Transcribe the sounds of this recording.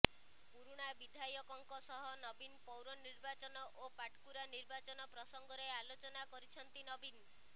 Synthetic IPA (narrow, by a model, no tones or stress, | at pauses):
puɾuɽ̃abid̪ʱajɔkɔŋkɔsɔɦɔnɔbinpɔwɾɔniɾbat͡ʃɔnɔʔopaʈʰkuɾaniɾbat͡ʃɔnɔpɾɔsɔŋɡɔɾealot͡ʃɔnakɔɾit͡ʃʰɔnt̪inɔbin